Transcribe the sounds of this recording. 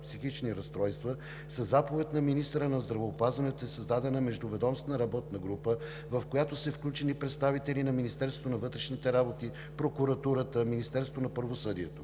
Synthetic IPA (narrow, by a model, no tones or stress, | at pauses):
psixit͡ʃniɾɐst̪ɾɔjst̪və | səzːapovɛt̪nɐminist̪ɾənɐzd̪ɾɐvɛːpazvɐnɛt̪oɛsɐzd̪ad̪ɛnəmɛʒd̪ʊvɛd̪ɔmst̪nəɾɐbɔt̪nəɡɾupə | vɐfkojat̪osɛfklʲut͡ʃɛnipɾɛt̪st̪avit̪ɛlinɐminist̪ɛɾsot̪onɐvɤt̪ɾɛʃnit̪ɛɾabot̪i | pɾokuɾɐt̪uɾət̪əminist̪ɛɾsot̪onɐpɾɐvosɤd̪iɛt̪o